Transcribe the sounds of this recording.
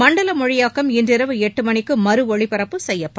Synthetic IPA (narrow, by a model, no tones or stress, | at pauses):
mɐɳɖɐlɐmɔɻɪjaːkɐmɪndrɪɾɐʋɯɛʈːɯmɐɳɪkːɯmɐɾɯɔɻɪpɐɾɐpːɯsɛjːɐpːɐ